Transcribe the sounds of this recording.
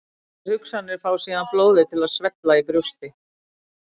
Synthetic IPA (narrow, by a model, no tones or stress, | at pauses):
hʏksanːɪɾ̥faːwsiːðanploːwðɪt̪ʰɪlaðsvɛt̪laipɾʏst̪ɪ